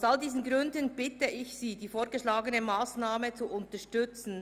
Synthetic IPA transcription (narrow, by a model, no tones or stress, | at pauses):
saldiːzn̩ɡʁʏndənb̥ɪtəɪçsiːdiːfoːɾɡəʃlaːɡənəmaːsnaːmət͡suʔʊntɐʃtʏt͡sn̩